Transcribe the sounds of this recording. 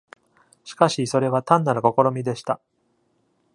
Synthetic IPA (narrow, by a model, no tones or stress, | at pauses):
ɕi̥kaɕiso̞ɾe̞β̞at̪ãnːaɾɯ̟ko̞ko̞ɾo̞mʲid̪e̞ɕi̥t̪a